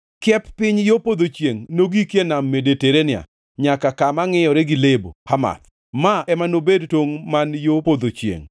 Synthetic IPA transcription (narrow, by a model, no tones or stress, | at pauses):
kjɛpːɪɲjopod̪ot͡ʃjeŋnoɡikjenamːedeteɾenɪa̰ | ɲakakamaŋɪjɔɾɛɡɪlebo̰ama̰t̪ | maɛmanobedtoŋmanjopod̪ot͡ʃjḛŋ